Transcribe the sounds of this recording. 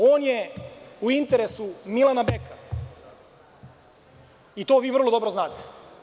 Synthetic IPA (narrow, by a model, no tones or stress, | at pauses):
oːnjeuint̪eɾe̞sumilˠanabekʰa | it̪oːʋiːʋr̩lo̞d̪o̞bɾo̞znaːt̪e̥